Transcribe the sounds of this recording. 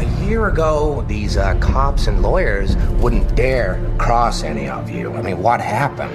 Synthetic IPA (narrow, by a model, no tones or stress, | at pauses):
ɨjɪɹɨɡoʊðizkʰɑpsɨ̃nlɔɪə˞zwʊdⁿn̩d̥ɛɹkʰɹ̥ɔsɛnḭʌ̰vjʉ̰a̰ɪmĩnwʌt̚hæpɨ̰̃n